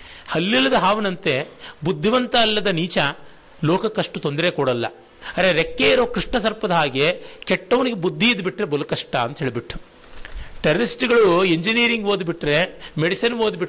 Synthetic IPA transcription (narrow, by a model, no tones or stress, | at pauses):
hɐlːilːɐd̪ɐɦaːʋɐnɐnt̪e̞bud̪ʱːiʋɐnt̪ɐːlːɐd̪ɐniːt͡ʃɐ | lɔːkɐkɐʂʈut̪o̞nd̪ɐɾe̞kɔɽɐlːɐ̰ | ɐɾeɾekːeiɾoːkɾiʂʈɳɐsɐɾpɐd̪ɐɦaːɡe̞kɛʈːɐʋɐniɡebud̪ʱːiːd̪biʈɾe̞bolɐkɐʂʈɐɐnt̪ɐɦeːɭibiʈːu̥ | ʈɐɾɐɾisʈiɡɐɭueɲd͡ʒiniːɾiŋɡʋoːd̪biʈːɾe̞meɽisɐnʋoːd̪biʈː